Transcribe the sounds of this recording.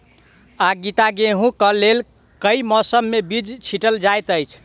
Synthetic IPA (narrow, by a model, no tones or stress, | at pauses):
aɡit̪aɡeɦũkəlel | kəjmɔsəmːebid͡ʒt͡ʃʰiʈəld͡ʒajt̪əjt͡ʃʰ